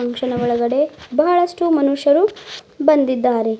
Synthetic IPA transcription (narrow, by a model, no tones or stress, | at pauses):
ɐŋkʂɐnɐʋɔɭɐɡɐɽe̞bɐɦɐɭɐʂʈumɐnuʂjɐɾu | bɐnd̪id̪ːaːɾe̞